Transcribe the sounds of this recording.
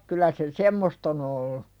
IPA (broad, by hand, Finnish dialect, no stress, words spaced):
kylˑæ se semːost on olːu